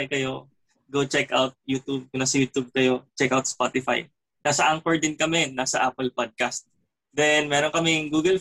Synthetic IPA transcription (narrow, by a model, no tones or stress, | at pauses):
jkɐjo̞ | ɡot͡ʃɛkʔawt̪̚jut̪ub̚kʊnasɐjuːt̪ub̚kɐjo̞t͡ʃɛkawt̪̚spat̪ɪfa̰j | nasɐʔaŋkoɹd̪ɪnkɐmɛnaːsɐʔaːpɛlpad̪̚kɐst̪̚ | d̪ɛnmɛːɾonkɐmɪŋɡuːɡɐl